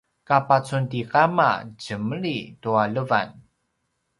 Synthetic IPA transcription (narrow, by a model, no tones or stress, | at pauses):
kapat͡suntikama̰ɟəmɭitualəva̰n